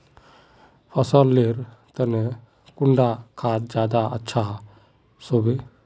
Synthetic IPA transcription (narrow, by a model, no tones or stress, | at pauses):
pʰəsəlːeɾt̪əne | kuɳɖakʰaːt̪d͡ʒaːd̪aətːʃʰa | sobe